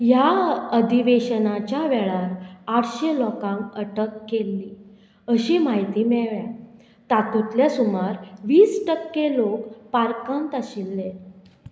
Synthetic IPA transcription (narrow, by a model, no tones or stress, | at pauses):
jaəd̪ʱiʋeɕənat͡ɕjaʋɛɭaɾaʈɕelɔkãŋkəʈəkːelːi | əɕimaɦit̪iːmɛɭʋja | t̪at̪ut̪ljasumaɾʋiːsʈəkːelokpaɾkãnt̪əɕilːe